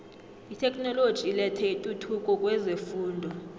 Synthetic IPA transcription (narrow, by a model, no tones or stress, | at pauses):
itʰɛkʼnɔlod̥ʒ̥ʱilɛtʰɛitʼutʰukʼɔkʼwɛzefuːndʱɔ